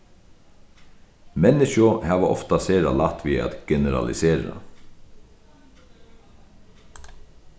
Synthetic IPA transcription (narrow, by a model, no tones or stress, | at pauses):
mɛnɪʃʊhɑːʋəʔɔ̰ft̪ɑseːɾɑ̰lɑt̪ʋiːɑ̰t̪ɡ̥ɛnəɾɑ̰lɪ̰seːɾɑ̰